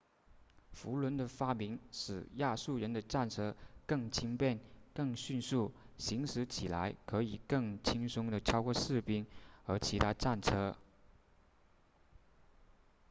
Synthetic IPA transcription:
fu˧˥lwə˧˥nd̪ə˨fa˥mi˧˥ŋʂɻ̩˨˩ja˥˧su˥˩ɻə˧˥nd̪ə˧ʈ͡ʂa˥˩nʈ͡ʂʰɤ˥kɤ˥˩ŋt͡ɕʰi˥ŋpjɛ˥˧nkɤ˥˧ŋɕy˥˧nsu˥˩ɕi˧˥ŋʂɻ̩˧˥t͡ɕʰi˨˩la˧˥ɪkʰɤ˧˥i˨˩kɤ˥˩ŋt͡ɕʰi˥ŋsʊ˥ŋd̪ə˨ʈ͡ʂʰɑ˥ʊkwɔ˥˧ʂɻ̩˥˩pi˥ŋə˞˧˥t͡ɕʰi˧˥t̪ʰa˥ʈ͡ʂa˥˩nʈ͡ʂʰɤ˥

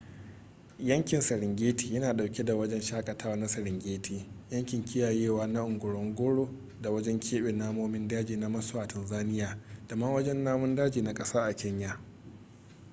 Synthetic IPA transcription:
jɐ˦ŋkʲɪ˨nsɐ˨ɾɪ˨ŋɡʲeː˦ti̥ː˨jɐ˦naː˨ɗa˨wkʲe˦da˨wɐ˦d͡ʒɛ˦nʃaː˦kʼɐ˨tʰaː˦wa˦na˦sɐ˨ɾɪ˨ŋɡʲeː˦tʰiː˨jɐ˦ŋkʲɪ˨ŋkʲɪ˦jaː˨jeː˦˨waː˦na˦ʔʊ˨ŋɡʷʊ˨ɽɔ˦ŋɡʷʊ˦ɽoː˦ | da˨wɐ˦d͡ʒɛ˦ŋkʲʰeː˦ɓeː˨naː˦moː˦mɪ˦ndaː˦d͡ʒiː˨na˦mɐ˦so˦a˨tɐ˨nzaː˦nɪ˦jaː˨d̥ɐ˨ma˦wɐ˦d͡ʒɛ˦nːaː˦mʊ˦ndaː˦d͡ʒiː˨na˦kʼɐ˦saː˦ʔa˨kʲɛ˦ɲja˨

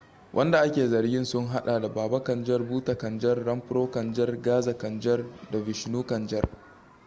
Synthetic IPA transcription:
wʔɐ̰˦nda˨ʔa˦kʲeː˨zɐ˨rɡʲɪ˦nsʊ˦ŋɦa˦ɗaː˨da˨baː˨ba˦kɐ˨nd͡ʒɐ˦rbuː˦ta˨kɐ˨nd͡ʒɐ˦rːɐ˦mɸɪ˦ɾoː˦kɐ˨nd͡ʒɐ˦rɡaː˦za˨kɐ˨nd͡ʒɐ˦rda˨vɪ˨ʃnuː˦kɐ˨nd͡ʒɐ̰˦r

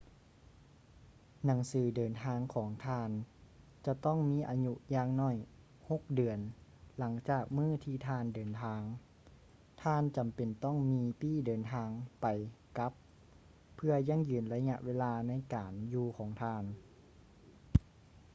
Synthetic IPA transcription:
na˩˦ŋsɯː˩˦dɤː˨˩nt̪ʰaː˧ŋkʰɔː˩˦ŋt̪ʰaː˧˥˩n | t͡ɕa˧t̪ɔ˥˩ŋmiː˧˥˨ʔaː˧ɲu˧jaː˧ŋnɔː˧˩j | ho˧˩k̚dɯ˨˩ənla˩˦ŋt͡ɕaː˨˩k̚mɯː˥˩t̪ʰiː˧˩t̪ʰaː˧˥˩ndɤː˨nt̪ʰaː˧ŋ | t̪ʰaː˧˥˨nt͡ɕa˨˩mpe˨˩nt̪ɔ˥˩˨ŋmiː˧piː˧˥˩dɤː˨˩nt̪ʰaː˧ŋpa˨˩jka˧˦˥pʰː | ɯ˧ɐja˧˥˩ŋjɯː˨˩nla˧ɲa̰˧ʔweː˧laː˧na˧˥˨jkaː˨˩njuː˧kʰɔː˩˦ŋt̪ʰaː˧˩n

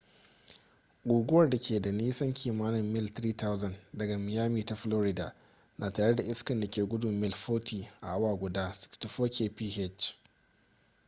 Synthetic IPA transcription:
ɡʷuː˨ɡʷʊ˦wɐ˨rda˨kʲʰeː˨da˨niː˦sɐ˦ŋkʲʰiː˨maː˦nɪ˨mːɪ˦lt̪ɾiː˦ta˦wzɐ˨ndɐ˨ɡa˨mɪ˨jaː˦miː˨ta˨ɸloː˦ɾɪ˦da̰ː˨ | nʔaː˨taː˨ɽe˦da˨ʔɪ˦skɐ˨nda˨kʲeː˨ɡʷʊ˦dʊ˨mːɪ˦˨lɸoː˦tʰiː˨ʔa̰˨ʔa˦waː˨ɡʷʊ˨daː˦sʊ̥˦ktʊ˨ɸoː˦kʲeː˦˨piː˦ɦɛ˦˨t͡ʃ

